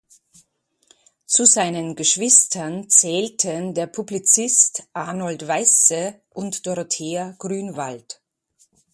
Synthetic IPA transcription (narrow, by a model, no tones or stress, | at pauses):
t͡suzaɪnənɡəʃv̥ɪstʰɐnt͡sɛːltʰəndeːɐpʰublit͡sɪstʔanɔltv̥aɪsə | ʔʊntd̥ɔʁotʰeːɐɡ̥ʁyːnvalt